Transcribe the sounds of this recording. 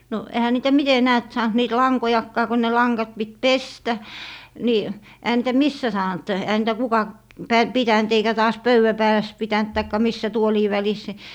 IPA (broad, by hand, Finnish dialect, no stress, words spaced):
no ehæ niːtæ mite næːt sɑːnt niːt lɑŋkojɑkːɑː ko ne lɑŋɡɑt pit pestæ ni ehæ niːtæ misːæ sɑːnt ehæ niːtæ kukɑ pæ pitænt eikæ tɑːs pøywæ pæːlæs pitænt tɑikːɑ misːæ tuoliː ʋælis ni